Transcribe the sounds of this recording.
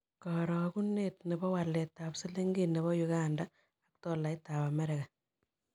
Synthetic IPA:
kɔɾɔ˨ku˦ne˦tne˨bɔ˦wa˨le˨tːa˨pse˦le˦ŋɡene˨βɔ˦juɡanda | a˦k̚tɔ˨la˨ita˨βa˨mɛ˦ɾɛɡa˨

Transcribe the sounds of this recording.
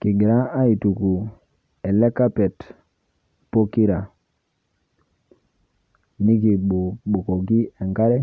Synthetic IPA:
kɪ˨ɡɪ˨ɾa˦a˦i˨tu˨ku˨ | ɛ˨lɛ˦ka˦pɛ˨t | po˦ki˦ɾa˨ | ni˦ɡi˨bo˨ko˨ɡi˦ɛ˨ŋɡa˦ɾɛ˦

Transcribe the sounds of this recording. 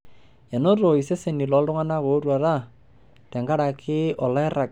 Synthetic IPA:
a˨no˦ɾo˨i˨se˦se˨ni˨lɔ˨˦lɾʊ˦ŋa˦na˦koː˨˦ɾwa˨ɾa˦ | tɛ˨ŋɡa˦ɾa˨kʰɪ˦ɔ˨la˦ɪ˦ra˨k

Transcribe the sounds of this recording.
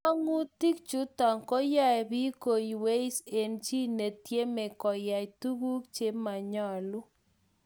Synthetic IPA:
a˦ŋu˦ti˦k̚t͡ʃu˦ta˨ŋkɔ˦ja˦ɛ˨bi˦ko˨ji˨we˦i˦se˨nt͡ʃi˦ne˨tje˦mɛ˨kɔ˨ja˨jtu˦ɡu˦kt͡ʃe˦ma˨ɲɔ˦˨lʊ˦

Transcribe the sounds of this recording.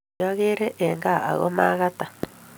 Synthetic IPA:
a˦ɣe˦ɾe˦ʔe˨ŋɡa˦a˨ɣo̰˦maː˦ɣa˦ta˨

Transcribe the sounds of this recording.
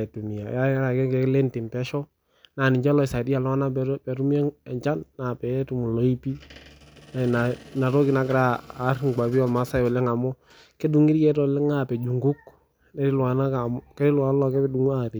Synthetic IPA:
e˨tu˨mi˨ja˨ja˦ɾa˨kɛ˦kɛ˨˦kle˦ntɪ˨npɛ˦ʃɔ˦ | na˨nɪ˨ɲd͡ʒa˦lɔ˨ɪ˨sa˨di˦a˨lɔ˦a˦na˦pɛ˨ɾu˦mɛ˦ɛ˨ɲt͡ʃa˦nːa˨pɛ˨˦tu˨mu˨lɔ˦i˦pi˦ | na˨na˨na˨ɾɔ˦ki˨na˨kɪ˦ɾaː˦˨˦ɾŋɡa˨bi˦ɔ˦˨lma˦sa˦jɔ˨lɛ˦ŋa˨mɔ˦ | ke˦du˨ŋi˦ɾjɛ˨˦tɔ˨lɛ˦ŋa˨pɛ˨d͡ʒu˨ŋɡu˦k̚ | nɛ˦ɾɪ˦lwa˨na˦ka˨mɔ˦kɛ˦ɾɪ˦lwa˨˦n˦lɔ˨kɛ˦pɛ˦du˨ŋ˦a˨ɾ

